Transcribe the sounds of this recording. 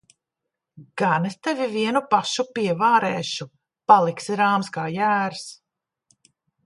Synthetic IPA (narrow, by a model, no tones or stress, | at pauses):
ɡ̥anest̪ɛviviɛnupaʃupiɛvaːɾɛːʃu | palˠiksiɾaːmskaːjæːɾs